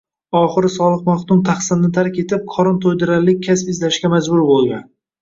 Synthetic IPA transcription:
ɒχɨɾɪsɒlˠɨqmaχt̪ʊmt̪ʰaχsɪnnɪt̪ʰaɾkʲe̞t̪ʰɪp̚qʰɒɾɒnt̪ʰojd̪ɪɾaɾlɪk̚ʲʰːaspɪzlaʃɡʲamad͡ʒbʊɾbolˠɡʲa̰n

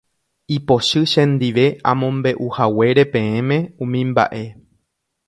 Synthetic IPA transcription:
ipo̞ʃɨʃẽ̞nd̪iʋe̞ã̰mõ̞mbe̞ʔuhawe̞ɾe̞pẽ̞ẽmẽ̞ũmĩmba̰ʔe̞

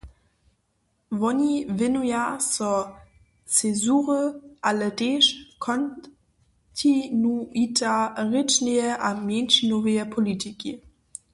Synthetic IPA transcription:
vɔnivɪnujasɔ | t͡sezuːʁəʔalədeʃkʰɔn | tʰinuitʰaʁɪt͡ʃnejəʔamjɛnʃnɔvəjəpʰolitʰikḭ

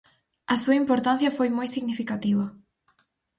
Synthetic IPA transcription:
ɐsuɐimpoɾt̪anθjɐfojmojsiɣnifikat̪iβɐ

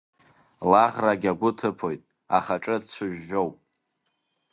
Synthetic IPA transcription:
laʁraɡʲaɡʷʊtʰɨpʰo̞jtʼ | aχaʈ͡ʂʼɨdt͡ɕʷʰʊʒːo̞wpʼ

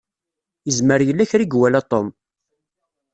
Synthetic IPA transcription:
jəzməɾjəlːæçɾiɡwælat̪ˤom

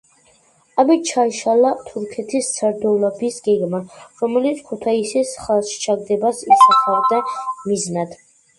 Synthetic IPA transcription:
amit͡ʃʰaiʃalat̪ʰuɾkʰɛt̪ʰist̪sʰaɾd̪ɔvlabisɡ̥ɛɡmaɾɔmɛlit̪sʰkʰut̪ʰaisisχalˠʃt͡ʃʰaɡd̪ɛbasisaχavd̪amiznad̪̥

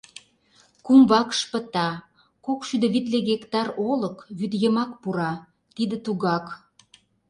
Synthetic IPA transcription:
kumβɑkʃpə̆t̪ɑ | kokʃyd̪ə̆βit̪leɣekt̪ɑroləkβyd̪jəmɑkpuɾɑ | t̪id̪ĕt̪uɣɑk

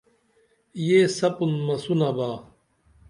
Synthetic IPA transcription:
jesɐpunmɐsunɐbaː

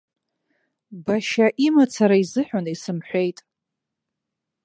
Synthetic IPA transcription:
baʃaʔimat͡sʰaɾaizɨħᶣʷanaisɨmħʷejtʼ

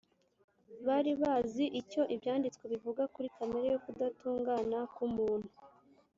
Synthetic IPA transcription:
βaɾiβaːziʔico̞ʔibjaːndit͡sweβivuɡakuɾikameɾejokudatuːŋɡaːnakumuːn̥hu

